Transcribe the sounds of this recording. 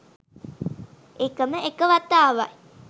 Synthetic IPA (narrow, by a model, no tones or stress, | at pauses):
ekɐməekəʋɐt̪aːʋae